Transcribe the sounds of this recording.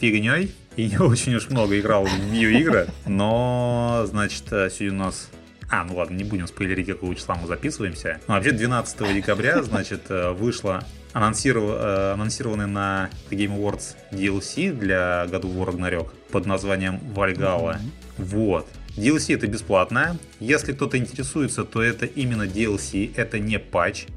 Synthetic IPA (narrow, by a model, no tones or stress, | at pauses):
pʲɪɡnʲoj | iot͡ɕɪnʲʊʂmno̞ɡəɪɡɾalˠbʲijoiɡɾəno | znat͡ɕɪ̥t̪əsʲudʲəʊnas | anulˠad̪̚nənʲɪbudʲɪmspəɪlʲɪɾʲitʲkɐkovət͡ɕɪ̥sˠamɨzɐpʲisɨvəjɪmsʲənuvɐpɕʲed̪vʲɪnat̪sə̥t̪əvədʲɪkɐbɾʲaznat͡ɕɪt̪ʰəvɨʂlˠə | ɐnɐnsʲiɾəɐnɐnsʲiɾəvənːɨjnɐk̪ɡʲejməvo̞rt̪s | dʲɪɛlˠsʲid̪lʲaɡɐd̪uoɾəɡnɐɾʲo̞kpəd̪nɐzvanʲɪjəmvɐlʲɡalˠə | vot̪dʲɪɛlˠsʲiɛt̪əbʲɪsplˠat̪nəjə | jesʲlʲɪk̚t̪o̞t̪əɪnʲtʲɪɾʲɪsujɪt̪sət̪o̞ɛt̪əʔimʲɪnːədʲɪɛlˠsʲiʔɛt̪ənʲɪpat͡ɕ